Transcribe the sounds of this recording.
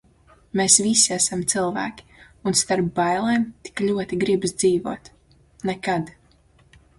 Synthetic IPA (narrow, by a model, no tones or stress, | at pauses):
meːsvisiasamt̪silˠvæ̰ːkʲi̥ | unst̪aɾbːajlˠɛːmt̪i̥klʲuɔt̪iɡɾibzd̪ziːvuɔːt̪ | nɛkad̪